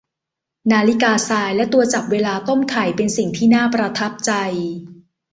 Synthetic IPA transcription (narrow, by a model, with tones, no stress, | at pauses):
naː˧li˦˥kaː˧saː˧jlɛ˦˥t̪u˧ɐt͡ɕa˨˩p̚weː˧laː˧t̪o˥˩mk̪ʰa˨˩jpe˧nsi˨˩ŋt̪ʰiː˥˩naː˥˩pɾa˧t̪ʰa˦˥p̚t͡ɕa˧j